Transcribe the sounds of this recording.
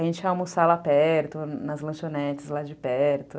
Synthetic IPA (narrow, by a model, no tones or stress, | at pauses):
ʒẽnt͡ʃɪawmʊsalapɛɾt̪ʊnɐzlɐ̃ʃonɛt͡ʃɪzlad͡ʒɪpɛɾt̪ʊ